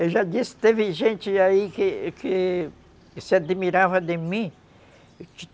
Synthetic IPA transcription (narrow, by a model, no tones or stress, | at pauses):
eʒad̪ist̪efiʒẽnt͡ʃiaikeke | sed̪emiɾafad̪emĩ | t͡ʃi